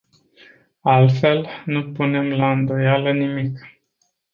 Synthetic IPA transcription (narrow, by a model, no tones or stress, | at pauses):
alt̪fe̞lnupune̞mlaɨnd̪o̞jalənimik